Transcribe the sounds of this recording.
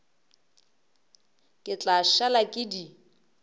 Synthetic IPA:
kʼɪt͡ɬʼaʃalakʼɪdi

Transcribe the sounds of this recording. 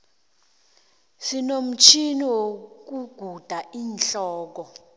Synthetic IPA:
sinom̩t͡ʃʰiniwok̬uɡ̥ʱud̥ʱaiːnɬɔːk̬ɔ

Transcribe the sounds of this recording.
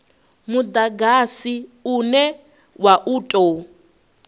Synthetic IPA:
mud̪aɡasiunɛ | waʔuːtʼo

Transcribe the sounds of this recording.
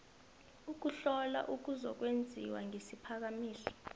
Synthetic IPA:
uk̬uɬɔla̰ʔuk̬uzɔk̬wend͡zʱiwa̰ŋesipʰak̬amiːɬi̥

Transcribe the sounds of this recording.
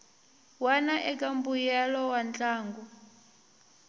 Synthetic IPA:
wanaʔɛkʼambujɛlɔwant͡ɬʼaːŋɡu

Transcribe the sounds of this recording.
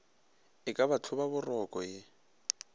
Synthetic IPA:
ɪkʼabat͡ɬʰʊbabʊrɔkʼɔjɪ

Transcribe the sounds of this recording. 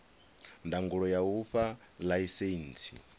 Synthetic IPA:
ndaŋɡuɺɔjauɸa | laisent͡sʰḭ

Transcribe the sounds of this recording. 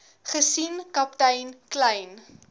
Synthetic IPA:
χəsinkɐp̚təjnklɛjn

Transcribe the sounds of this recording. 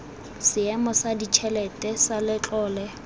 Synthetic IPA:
sɪɛmɔsadit͡ʃʰɛlɛtʼɛsalɪt͡ɬʼɔːlɛ

